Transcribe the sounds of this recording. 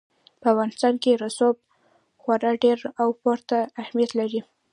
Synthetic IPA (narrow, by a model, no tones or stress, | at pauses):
pəafɣɑnɪst̪ɑnkeɾasob̚ | xwaɾɑɖeɾawpɑɾt̪aːhmijat̪laɾi